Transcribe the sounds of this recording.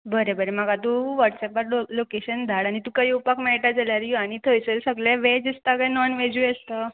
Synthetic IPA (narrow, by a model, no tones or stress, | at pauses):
bəɾebəɾemaɡat̪uʋəʈsɛpaɾolokeɕənd̪ʱaɽaɽ̃it̪ukadiupakmɛɭʈad͡zaljaɾjaɽ̃it̪ʰəjt͡səɾsəɡleʋed͡zist̪akajnɔnʋed͡ʑuest̪ə